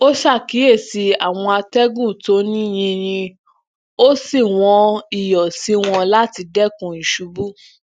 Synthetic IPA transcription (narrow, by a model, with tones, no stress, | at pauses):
o˦ʃa˦˨ki˨˦e˦˨si˨˧a˦˨w̃ɔ̃˧a˧tɛ˦ɡũ˦˨to˨˦nĩ˦j̃ĩ˧ɾ̃ĩ˧ | o˦si˦˨w̃ɔ̃˧i˦˨jɔ˨si˨˦w̃ɔ̃˧la˦ti˧dɛ˦kũ˧ĩ˨ʃu˨˧bu˦